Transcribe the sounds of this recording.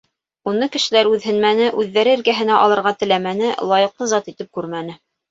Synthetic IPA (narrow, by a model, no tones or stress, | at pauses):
unɤkɘ̆ʃɘ̆læɾʉðhɘ̆nmænɘʔʉðːæɾɘɘ̆ɾɡæɦɘ̆næʔɑlˠɤ̆ɾʁɑt̪ɘ̆læmænɘlˠɑjɤ̆qlˠɤzɑt̪it̪ɘp̚kʉɾmænɘ